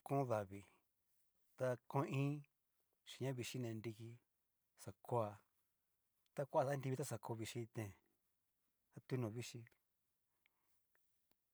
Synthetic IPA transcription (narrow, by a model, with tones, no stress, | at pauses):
kõ˦ða˨βi˨ | t̪a˧kõ˧˦ĩː˦ | ʃi̥˨ɲã˦βi˧ʃi˦nẽ˧ndi˧ki˧ | sa˨ko˦a˧ | t̪a˦kʷa˧sa˦nd̪i˧βi˧t̪a˦sa˧ko˧βi˧ʃi˧t̪ẽ˧˨ | a˦t̪u˦nũ˨βi˦ʃi˧